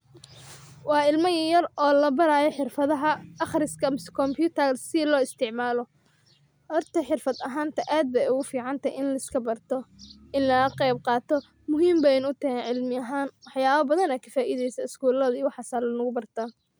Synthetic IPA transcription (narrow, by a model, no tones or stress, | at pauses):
wɑːɪlmɐjɐjɐrɔːlɐbɐɾaːjɔħɪrfɐðɐɦɐɑχrɪskʰɐmskʰɔmpʰjuːt̪ʰɐrsɪlɔːɪst̪ʰɪʕmaːlɔ | hɔrt̪ʰɐħɪrfɐd̪ɐɦaːnt̪ʰɐʔaːd̪̚bɛʊɣʊfiːʕɑnt̪ʰɐjɪnlɐskʰɐbɐrt̪ʰɔ | ɪnlɐɐqɛjb̚qɑːt̪ʰɔ | mʊɦiːmbɛjnʊt̪ʰɐɛnʕɪlmɪɐɦaːnwɑħjaːβɐbɐðɐnɛkʰɐ̥faːʔiðɛjsɐɪskuːlɐðiːwɑħɑsaːlɐnʊɣʊbɐrt̪ʰaː